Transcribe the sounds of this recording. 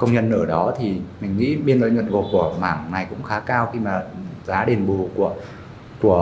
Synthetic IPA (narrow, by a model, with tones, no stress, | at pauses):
kə˧wŋ͡mɲə˧nːəː˧˩ɗɔ˨˦t̪ʰi˨˩mï˨˩ŋ̟ŋḭ˧˥ɓi˧nlo̰˧˨jɲwə˨˩t̚ɣo˨˩ku˧˩əma̰ː˧˩ŋna˨˩jkʊ̰˧˥ŋ͡mxaː˨˦kaː˧wxi˧maː˨˩zaː˨˦ɗe˨˩nɓu˨˩ku˧˩ə | ku˧˩ə